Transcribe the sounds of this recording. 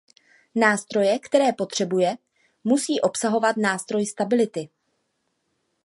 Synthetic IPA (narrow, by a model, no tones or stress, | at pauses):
naːst̪ɾo̞jɛkt̪ɛɾɛːpo̞t̪r̝̥ɛbujɛ | musiːʔo̞psaɦo̞vat̪naːst̪ɾo̞jst̪abɪlɪt̪ɪ